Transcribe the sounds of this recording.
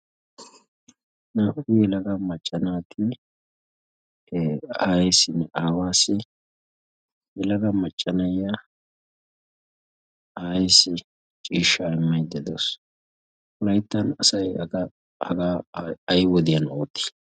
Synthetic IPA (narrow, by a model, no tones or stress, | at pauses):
nɐʔʊɪjɛlɐɡɐmɐt͡ʃʼːɐnaːkɪ | aːjɛsɪnaːwaːsɪ | jɛlɐɡɐmɐt͡ʃʼːɐnɐja | aːjɪsɪ | t͡ʃʼiːʃːaɪmːɐjd̪ɛd̪os | kʊlɐjt̪ːɐnɐsɐjɡɐ | hɐɡaːɐjwɔd̪ɪjɐnoːt̪ːɪ̥